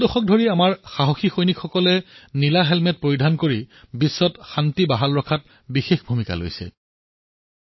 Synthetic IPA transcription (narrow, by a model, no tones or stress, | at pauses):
dɔxɔk̚dʱoɹiamaɹxaɦoxixojnikxɔkɔlɛnilaɦɛlmɛt̚pɹojidʱankoɹibisːɔtxantibaɦalɹɔkʰat̚ | bixexbʱumika̰lo̰jsɛ̰